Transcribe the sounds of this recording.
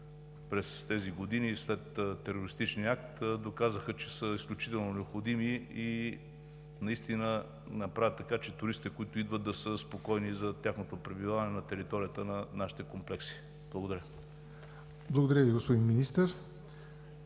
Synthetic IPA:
pɾɛst̪ɛziɡod̪inislɛt̪ːɛɾoɾist̪it͡ʃniəak̚t̪d̪okazəxət͡ʃɛsəisklʲut͡ʃi̥t̪ɛlˠnonɛopxod̪imii | nɐist̪inə | nɐpɾavət̪ːɐkat͡ʃɛt̪ʊɾist̪it̪ɛkoʊit̪ʊid̪vəd̪̚d̪ɐsəspokɔjnizɐt̪ʲjaxnot̪opɾɛbilˠavɐnɛnɐt̪ɛɾit̪ɔɾijət̪ənɐnaʃi̥t̪ɛkomplɛksi̥ | b̥lˠɐɡod̪ɐɾʲjə | blˠɐɡod̪ɐɾʲjəviɡospod̪inminist̪əɾ

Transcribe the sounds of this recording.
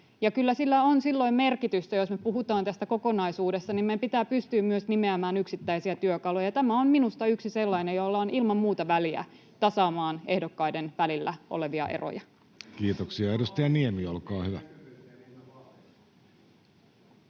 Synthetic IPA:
jɑkylːæsilːæonsilːo̞imme̞rkit̪yst̪æjo̞smepuɦut̪ɑːnt̪æst̪æko̞ko̞nɑisuːdest̪ɑnimepit̪æːpyst̪yːmmyøsnimeæmæːnyksit̪ːæisiæt̪yøkɑlojɑt̪æmæomminust̪ɑyksise̞lːɑinejolːɑonʔilmɑmmuːt̪ɑʋæliæ̰ | t̪ɑsɑːmɑːne̞hdokːɑjde̞nʋælilːæ̰ʔo̰le̞ʋiɑ̰ʔe̞̰ro̰jɑ | kiːt̪oksiɑedust̪æjɑniemiolkɑːhyʋæ

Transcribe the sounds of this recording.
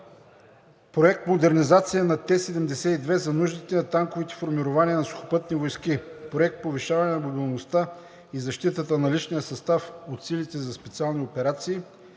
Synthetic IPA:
pɾoɛk̚t̪mod̪ɛɾnizat̪sijənɐt̪ɛsɛd̪ɛmd̪ɛsɛid̪vɛzɐnuʒd̪it̪ɛnɐt̪aŋkovit̪ɛ̥foɾmiɾovaniənɐsʊxo̥pɤt̪nivojskipɾoɛk̚t̪̚poviʃavɐnɛnɐbobilˠnost̪a | izɐʃt̪it̪ət̪ənɐlit͡ʃnijəsɐst̪afot̪silit̪ɛzɐspɛt̪sialˠniopɛɾat̪siː

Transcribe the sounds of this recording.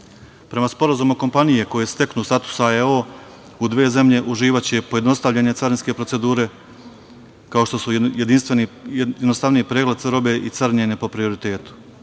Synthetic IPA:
pɾe̞maspo̞ɾazumuko̞mpanijeko̞jest̪e̞knuːst̪at̪u̥saeo | ud̪ʋe̞ːze̞mʎe̞ʔuʒiːʋat͡ɕepo̞je̞d̪no̞st̪aʋʎeɲe̞t̪saɾnske̞pɾose̞d̪uːɾe̞ | kao̞ʃt̪o̞sujed̪inst̪ʋenijed̪nost̪aʋnijipɾeːɡled̪t̪saɾo̞be̞ʔit̪saɾɲene̞po̞pɾio̞ɾit̪e̞ːt̪u̥

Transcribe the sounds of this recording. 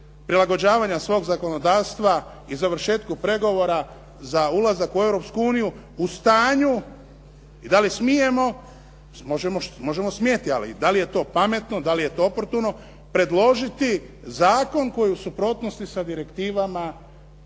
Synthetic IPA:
pɾilaɡo̞d͡ʑaːʋaɲasʋo̞ːɡzako̞no̞d̪aːʋst̪ʋa | izaʋɾʃe̞ːt̪kupɾe̞ɡo̞ʋo̞ɾa | zaulazakue̞wɾo̞pskuuːniju | ust̪aːɲu | id̪alismije̞mo̞ | mo̞ʒemomo̞ʒe̞mo̞smjet̪ia̰lḭd̪alije̞t̪o̞ːpame̞t̪nod̪alije̞t̪o̞opo̞ɾt̪uno̞ | pɾe̞d̪lˠo̞ʒit̪i | zaːko̞nko̞jiusupɾo̞ːt̪no̞st̪isad̪iɾe̞kt̪iːʋama

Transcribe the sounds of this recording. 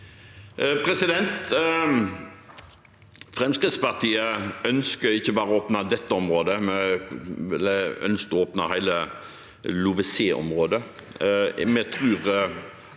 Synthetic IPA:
pʰɾɛsɪd̪ɛnt̪ | fɾɛmskʁɪd̪spɑʁt̪ʰiːəœnskəɾɪçːəbɑːʁəoːpnɑd̪ɛt̪ːəɔmʁoːd̪əmɛ | ɛ̰lːəœ̰nsk̪ɔoːpnɑhæɪlə | lʊʋəseːʔɔ̰mʁoːd̪ə | mɛt̪ʰʁʉːʁ

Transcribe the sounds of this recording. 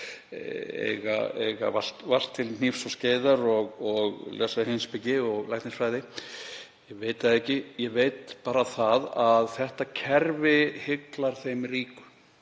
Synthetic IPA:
ɛ̰ɣa̰ɛɣa̰vḁt̪var̥t̪ʰːɪln̥ifsɔsceːjðaɾɔɣɔɣlʔɛsaðɪhenspɪcɪɔɣlajht̪nɪsfɾaːjðɪ | jɛveːjt̪aðɛhcɪjɛveːjt̪paːɾaθaðaðθɛht̪acʰɛɾvɪhɪklaɾ̥θejmriːkʏ̥

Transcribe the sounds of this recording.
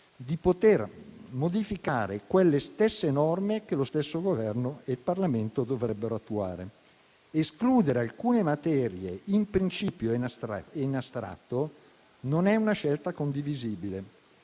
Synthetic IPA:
d̪ipot̪ermod̪ifikaːɾekwelːest̪esːenɔrmekelost̪esːoɡovɛrnoelparlament̪od̪ovɾɛbːeɾoat̪ːua̰ːɾḛ | eskluːd̪eɾealkuːnemat̪ɛːɾjeimpɾint͡ʃiːpjoenast̪ɾa̰t̪ːo | nonɛunaʃɛlt̪akond̪iviziːbile

